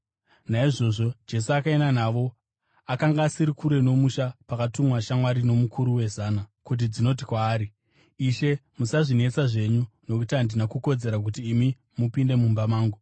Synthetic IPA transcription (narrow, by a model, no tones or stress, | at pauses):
naiʐo̞ʐo̞d͡ʒe̞s̬uakae̞nanaʋo̞ | akaŋɡaːsiɾikuɾe̞no̞muʃapakatumwaʃamwaɾino̞mukʰuɾuwe̞zaːnakut̬id͡zino̞t̬i̥kwaːɾi | iʃe̞musaʐine̞t͡saʐe̞ɲunokutandinakuko̞d͡ze̞ɾak̬utiːmi | mupinde̞mumbamaːŋɡu